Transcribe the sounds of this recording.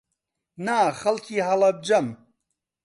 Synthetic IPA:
naːxɐlkʰiːɦɐlɐb̚d͡ʒɐm

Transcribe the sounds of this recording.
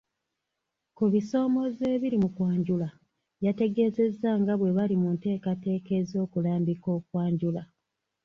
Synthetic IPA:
kuβiso̞ːmo̞ze̞ːβiɾimukwaːɲɟula | jate̞ɡe̞ːze̞zːaŋɡaβwe̞βalimunte̞ːkate̞ːke̞zo̞ːkulaːmbiko̞ːkwaːɲɟula

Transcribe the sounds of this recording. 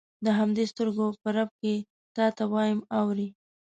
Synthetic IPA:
d̪əɦamd̪est̪əɾɡopəɾab̚ke | t̪ɑt̪awɑjəmawɾi

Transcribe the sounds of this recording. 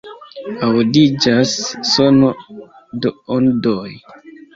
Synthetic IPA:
awdid͡ʒasːono | doondoj

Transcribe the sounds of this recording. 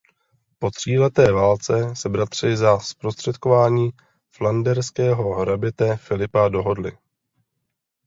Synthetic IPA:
po̞t̪r̝̥iːlɛt̪ɛːvaːlt͡sɛsɛbɾat̪r̝̥ɪzaspɾost̪r̥ɛt̪ko̞vaːɲiː | flandɛɾskɛːɦo̞ɦɾabɪt̪ɛfɪlɪpado̞ɦo̞dlɪ̰

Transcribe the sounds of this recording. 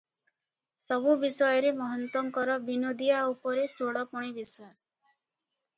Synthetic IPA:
sɔbubisɔjɔɾemɔɦɔnt̪ɔŋkɔɾɔbinod̪iaupɔɾesoɽɔpɔɽ̃ibiswas

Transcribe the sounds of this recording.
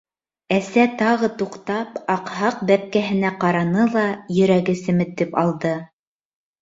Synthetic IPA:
æsæt̪ɑʁɤt̪uqt̪ɑpɑqhɑqbæp̚kæɦɘ̆næqɑɾɑnɤlˠɑjɵ̆ɾæɡɘsɘ̆mɘ̆t̪ːɘpɑlˠd̪ɤ

